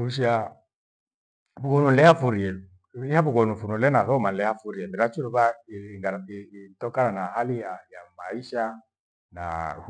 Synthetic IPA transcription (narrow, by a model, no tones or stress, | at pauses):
uʃia | buɡɔnun̩lɛafuɾiɛ | ihaβuɡɔnufunulɛnaθɔman̩lɛhafuɾiɛbiɾat͡ʃuɾuβaiŋɡaaiitɔkananahalijajamaiʃa | na̰